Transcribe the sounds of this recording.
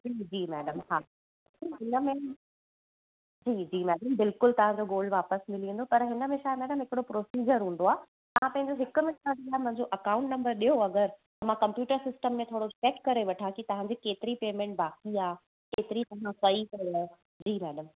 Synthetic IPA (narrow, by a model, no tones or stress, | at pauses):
d͡ʑiːd͡ʑiːmɛːɖəmhaː | ɦɪnəmẽ | d͡ʑiːd͡ʑiːmɛːɖəmbɪlkʊlt̪ɐʋ̤ãd͡ʑoɡoːl̤ʋaːpəsmɪlĩnd̪opɐɾɦɪnəmẽʃaːemɛːɖəmɦɪkɪɽopɾoːsiːd͡ʑəɾɦũːn̆d̪oaː | t̪ɐʋ̤ãpɐ̃ɦɪ̃ɲd͡ʑoɦɪkʊmẽtãdiaːɦmɐ̃ɦɪ̃ɲd͡ʑoʔɐkãːʊ̃ɳʈnɐ̃mbəɾɗijoɐɡəɾt̪ɐm̤ãkɐ̃mpjuːʈəɾsɪsʈəmːẽt̪ʰoːɽot͡ɕɛːkkɐɾeʋɐʈʰãkit̪ɐʋ̤ãd͡ʑikeːt̪ɪɾipeːmẽːɳʈ̚baːkiaː | keːt̪ɪɾit̪ɐʋ̤ãsɐikɐo | d͡ʑiːmɛːɖəm